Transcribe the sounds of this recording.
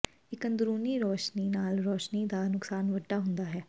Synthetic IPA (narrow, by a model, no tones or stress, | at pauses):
ɪkənd̪ɾuːniːɾɔːʃniːnaːlɾɔːʃniːd̪aːnʊksaːnʋəɖːaːɦʊnd̪aːɦɛː